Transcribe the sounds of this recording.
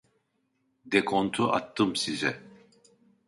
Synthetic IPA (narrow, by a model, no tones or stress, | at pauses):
d̪ɛkʰont̪ʰuʔa̰t̪ːɯmsizɛ